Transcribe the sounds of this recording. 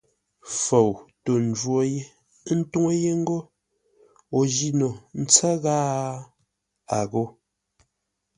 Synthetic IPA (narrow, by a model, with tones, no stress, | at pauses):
fo˨wto˨n̩˨d͡ʒwo˦je˦ | n̩˦tu˦ŋe˦je˦ŋ̩˦ɡo˦ | o˨d͡ʒi˦no˨n̩˦t͡sɛ˦ɣaː˦ | a˨ɣo˦